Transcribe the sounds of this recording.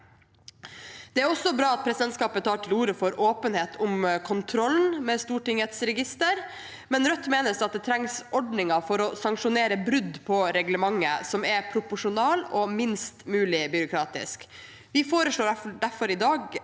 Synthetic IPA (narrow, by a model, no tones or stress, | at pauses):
d̪̥ɛæɾɔsːɔbɾɑːɑt̪̚pʰɾɛsɪd̪ɛnt̪skɑːpət̪ʰːɑːʈʰɪluːɾəfɔɾoːpənheːt̪ʰʊmkʰʊnt̪ʰɾɔlnmɛst̪uːʈɪŋɛt̪sɾɛɡɪst̪əɾ | mɛnɾœt̪ːmeːnəsɑt̪̚d̪ɛt̪ʰɾɛŋsʔɔɖnɪŋɑfɔɾɔsɑŋkʂʊneːɾəbɾʉd̪ːpʰɔɾɛɡləmɑŋːə̰sɔmɛɾpʰɾʊpʊʂʊnɑːlɔmɪnst̪mʉːlɪbʏɾʊkʰɾɑːt̪ɪ̰sk | ʋɪfoːɾəʂɭoːɖæɾfɔɾɪd̪ɑːɡ